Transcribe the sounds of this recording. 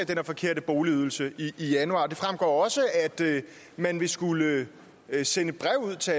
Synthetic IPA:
d̥enæɐfɒ̽kʰe̝ɐ̰ɾ̥əb̥oʊliyðˠl̩səiʔːjænuɑ̈ːd̥e̝fʁamɡ̥ɒ̰ːɒ̽səæd̥ | mænʋe̝sɡ̥ulə | senəb̥ʁɛʊ̰uð̰ˠt͡sʰe̝

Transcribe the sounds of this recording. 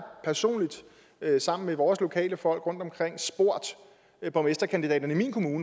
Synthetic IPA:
pʰæɐso̝̰ːnlid̥ | sɑ̈m̰n̩meʋɒːslo̝kʰɛ̰ːləfɒ̽l̰ɡ̥ʁɔ̽nd̥ɒ̽mkʰʁeŋ̰sb̥o̝ɐ̰d̥ | b̥ɒ̽mesd̥ɐkʰænd̥idɛ̰ːd̥ɐnəimḭːnkʰo̝muːnə

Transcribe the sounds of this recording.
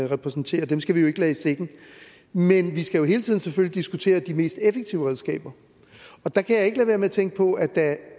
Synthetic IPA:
ʁɛpʰʁɛsn̩t͡sʰe̝̰ːɐd̥emsɡ̥æʋijo̝e̝ɡ̥əlɛːsd̥eɡ̥n̩ | menʋisɡ̥æjo̝ɦe̝ːlət͡sʰiðˠnsefølid̥isɡ̥ut͡sʰe̝̰ːɐd̥ime̝̰ːsd̥efeɡ̥̚t͡sʰiʊəʁɛðˠsɡ̥ɛ̰ːb̥ɐ | ɒ̽d̥ɑ̈kʰæjɑ̈e̝ɡ̥əlæʋeɐmeæt͡sʰeŋ̰ɡ̥əpʰɒ̽ʔæd̥æ

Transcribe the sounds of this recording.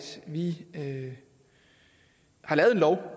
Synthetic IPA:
d̥ʋiø | hɑ̈lɛːʊðˠe̝nlɒʊ

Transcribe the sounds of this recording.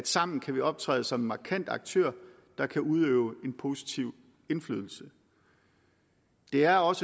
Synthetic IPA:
d̥sɑ̈m̰n̩kʰæʋiɒ̽b̥̚t͡sʰʁɛ̰ːðˠsɒ̽mːɑ̈kʰæn̰d̥ɑ̈ɡ̥̚t͡sʰø̰ɐ̰ | d̥ɑ̈kʰæʔuð̞ˠø̰ːʊe̝npʰo̝ːsi̥t͡sʰiʊ̰ | e̝nflyːð̞ˠl̩sə | d̥e̝æɐɒ̽sə

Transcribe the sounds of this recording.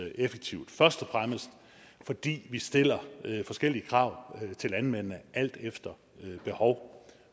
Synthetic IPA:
efeɡ̥̚t͡sʰiʊ̰d̥fɶɐsd̥ɒfʁaməsd̥ | fɒ̽d̥ḭːʋisd̥e̝l̰ɐfɒ̽sɡ̥el̰iəkʰʁɑ̈ʊ̰t͡sʰe̝lænmen̰ənəʔæl̰d̥efd̥ɐ | øb̥e̝hɒʊ

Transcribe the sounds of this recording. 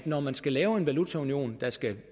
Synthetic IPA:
d̥nɒmænsɡ̥ælɛːʊe̝nʋælut͡sʰæunio̝̰ːnd̥ɑ̈sɡ̥æ

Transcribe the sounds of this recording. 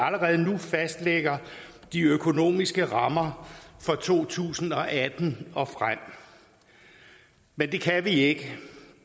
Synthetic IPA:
æləʁɛːð̞̩ˠnufæsd̥leɡ̥ɐ | d̥iøkʰo̝no̝̰ːmisɡ̥əʁɑ̈mɐfɒ̽t͡sʰo̝̰ːt͡sʰṵːsn̩ɒ̽ʔæd̥n̩ɒ̽fʁam̰ | mend̥e̝kʰæʋie̝ɡ̥ə

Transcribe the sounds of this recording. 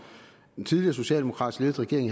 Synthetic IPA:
ent͡sʰiðˠliɐso̝ɕɛ̰ːldemo̝kʰʁɑ̈d̥isle̝ð̩ˠʁɛɡ̥e̝ɐeŋh

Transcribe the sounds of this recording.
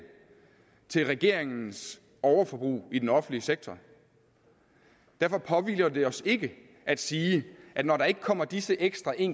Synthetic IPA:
t͡sʰe̝lʁɛɡ̥e̝ɐ̰eŋn̩s | ɒʊɐfɒ̽b̥ʁṵːid̥enɒ̽fn̩liseɡ̥̚t͡sʰɒ | d̥æɐfɒ̽pʰɒ̽ʋḭːlɐd̥e̝ɒ̽se̝ɡ̥ə | ʔæd̥siːʔæd̥nɒɾɑ̈e̝ɡ̥əkʰɒ̽m̰ɐd̥isəʔeɡ̥sd̥ʁɑ̈ʔe̝ŋ

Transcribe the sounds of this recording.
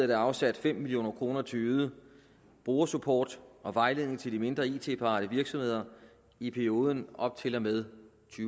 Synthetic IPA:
ɐd̥æɑ̈ʊsæd̥fem̰milijo̝̰ːnɐkʰʁo̝ːnɐt͡sʰe̝uːð̩ˠə | b̥oːɐsupʰɒ̰ːd̥ɒ̽ʋɑ̈ɪle̝ðˠne̝ŋt͡sʰe̝ld̥ime̝nd̥ʁɐiːt͡sʰe̝̰ːpʰɑ̈ɾ̥əʋiɐɡ̥sɒ̽mhe̝ð̰ˠɐ | ipʰæɐio̝ːð̞ˠənɒ̽b̥̚t͡sʰe̝lɒmeð̞ˠ | t͡sʰyː

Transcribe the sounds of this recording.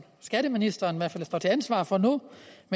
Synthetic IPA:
sɡ̥æd̥əminisd̥ɐːniʋæɐfælsd̥ɒ̰ːt͡sʰe̝ænsʋɑ̰̈ːfɒ̽nume

